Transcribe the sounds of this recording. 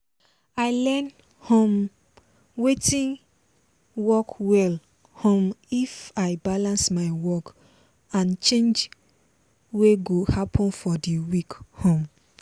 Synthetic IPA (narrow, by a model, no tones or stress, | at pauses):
aɪlɛn | hɔ̃m | wetĩn | wɔkwɛl | hõmifaɪbalãnsmaɪwɔk | ãnt͡ʃẽnd͡ʒ | weɡohapʰɔ̃nfɔdiwikhõm